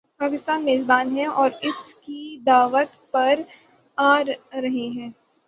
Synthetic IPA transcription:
paːkɪst̪aːnmeːzbaːnɦɛ̃ɔːɾɪskid̪aːʋət̪pɐɾ | aːɾːɐɦeɦɛ̃ː

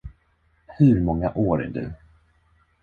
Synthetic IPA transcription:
hɵɾmɔŋːaʔoːɾɛ̰ɖʉ̰ː

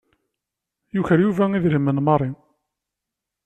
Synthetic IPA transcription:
juçəɾjuvæiðɾimːənmɑrˤi

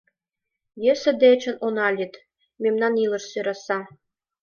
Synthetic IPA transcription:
jɘ̆sɘ̆d̪et͡ɕɘ̆nʔonɑlʲit̪ | mʲemnɑnilˠɤ̆ʃsøɾɑsɑ

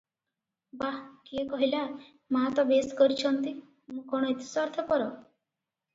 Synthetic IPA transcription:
bakiekɔɦila | mãt̪ɔbeskɔɾit͡ʃʰɔnt̪i | mũkɔɽ̃ɔet̪i̥saɾt̪ʰɔpɔɾɔ

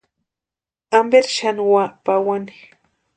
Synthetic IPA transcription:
ambeɾʃanwapawani̥

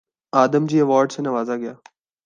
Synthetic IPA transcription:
aːd̪əmd͡ʑiːɐʋaːɾɖsenə̃ʋaːzaɡɪjaː

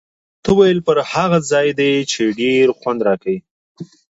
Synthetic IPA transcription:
t̪əwajəlpəɾhaɣazɑjd̪et͡ʃeɖeɾxwand̪ɾɑkawi

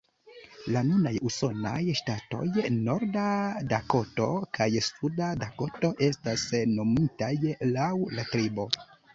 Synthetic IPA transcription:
lanunajuso̞na̰jʃtato̞̰jno̞ɾdadako̞to̞kʰajsudadakoto̞ʔe̞stasno̞mitajlawlatɾibo̞

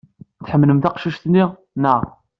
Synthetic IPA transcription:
θħəmːləmt̪æqʃiʃt̪nːiʁ | naʁ

